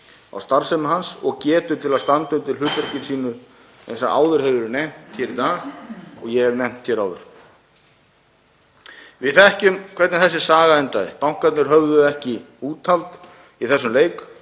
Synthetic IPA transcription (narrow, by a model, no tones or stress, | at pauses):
a̰wst̪aɾsɛmaɦansɔɣcɛːt̪ʏt̪ʰɪlaðst̪ant̪ʏmt̪ʰɪlɦʏːt̪vɛɾ̥cɪnsiːnʏ | ɛ̰nsaa̰ːwðʏɾ̥hɛvʏɾnejm̥t̪çɛːɾit̪aːɣɔɣjɛhɛvɾnejm̥t̪hçɛːɾaːwðʏ̰ɾ̥ | vɪðθɛhcʏmkʰvɛɾt̪nɪnθɛsːɪsaːɣaɛnt̪aðɪpawŋ̥kat̪nɪɾ̥ɦœvðʏɛhcɪ | uːt̪ʰalt̪ | iθɛsːʏmleːjk